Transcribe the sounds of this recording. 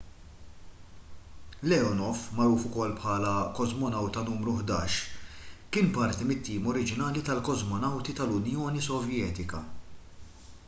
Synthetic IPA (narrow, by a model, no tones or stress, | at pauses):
lɛɔnɔfmɐɾuːfʊkɔlːpħɐːlɐkɔzmɔnɐwt̪ɐnuːmɾʊħd̪ɐ̰ːʃ | kɪːnpɐɾt̪imɪt̪ːiːmɔɾɪd͡ʒɪnɐːlit̪ɐlkɔzmɔnɐwt̪it̪ɐlʊnjɔːnisɔvjɛːt̪ɪkɐ̰